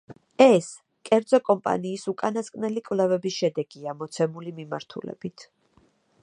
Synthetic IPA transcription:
ɛs | kʼɛɾd̪zɔkʼɔmpʼa̰niːsukʼanaskʼnɛlikʼvlɛvɛbisʃɛd̪ɛɡiamɔt̪sʰɛmulimima̰ɾt̪ʰṵlɛ̰b̥it̪ʰ

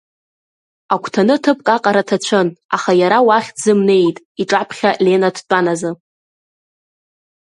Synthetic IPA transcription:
akʷʰtʰanɨtʰɨpʼkʼaqʼaɾatʰat͡ɕʷʰɨnaχajaɾawaχʲd͡zɨmne̞jtʼ | iʈ͡ʂʼapʰχʲale̞nadʰt͡pʼanazɨ

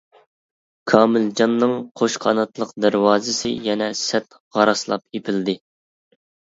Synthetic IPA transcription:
kʰɑːmɪld͡ʒɑnːɨŋqʰoʃqʰɑnɑt̪lˠəqd̪æɾwɑːzɪsɪ̰jɛnɛsɛt̪ | ʁɑɾɑslˠɑ̰pjepʰɪld̪ɪ

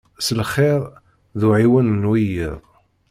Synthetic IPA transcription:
səlχeɾˤ | ðuʕiwænnwijḭðˤ

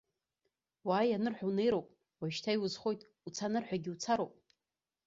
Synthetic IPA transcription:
waːjanɨrħʷᶣawne̞jɾowpʼ | waʃtʰajwuzχo̞jtʼ | ut͡sʰanɨrħʷᶣaɡʲiut͡sʰaɾowpʼ

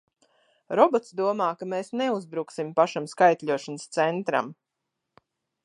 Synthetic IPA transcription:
ɾɔbɔt̪sd̪uɔmaːkameːsneuzbɾuksimpaʃamskajt̪ʲʎʲuɔʃanəst̪sɛnt̪ɾa̰m

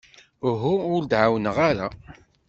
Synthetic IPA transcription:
ɦuʊɾd̪ʕawənəʁaɾa̰

